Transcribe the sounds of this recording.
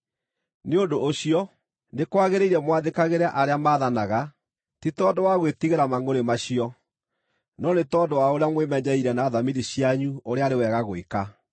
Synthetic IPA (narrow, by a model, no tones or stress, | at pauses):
neondoʔːɕiɔ | nekwaɣeɾeiɾɛmwaðekaɣeɾaʔaɾeamaːðanaɣa | titɔːndowaɣwetiɣeɾamaŋoɾemaɕijɔ | nɔnetɔːndowaoɾejamwemɛɲɛiɾɛnaːðamiðiɕiaɲuoɾeaɾewɛɣaɣoeka